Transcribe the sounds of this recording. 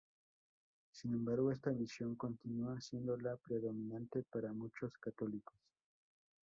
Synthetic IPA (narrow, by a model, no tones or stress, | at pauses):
sinẽ̞mbaɾɣoe̞st̪aβisjo̞ŋko̞nt̪inuasje̞nd̪o̞lapɾe̞ðo̞mĩnãnt̪e̞paɾamut͡ʃo̞skat̪o̞liko̥s